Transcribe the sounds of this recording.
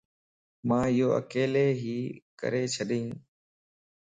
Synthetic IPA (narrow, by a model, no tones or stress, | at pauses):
mãːɪjoːə̰keːleːɦiːkə̰ɾeːt͡ʃʰəɗĩː